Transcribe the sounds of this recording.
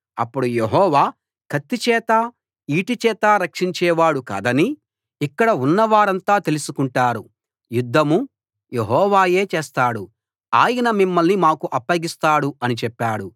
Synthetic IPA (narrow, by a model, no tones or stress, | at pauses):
ɐ̰pːuɽujeɦɔːʋaː | kʰɐt̪ːit͡ʃɛːt̪aː | iːʈit͡ʃɛːt̪aːɾɐkʂiɲt͡ʃɛːʋaːɽuka̰ːd̪ɐni | ikːɐɽɐunːɐʋaːɾɐnt̪aːt̪e̞lusukuɳʈaːɾu | jud̪ʱːɐmu | jeɦɔːʋaːje̞ːt͡ʃeːst̪aːɽu | aːjɐnɐmimːɐlnimaːkuʔɐpːɐɡist̪aːɽuɐnit͡ʃɛpːaːɽu